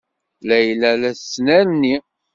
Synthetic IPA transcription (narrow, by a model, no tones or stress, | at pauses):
læjlælæθsːnæɾnːi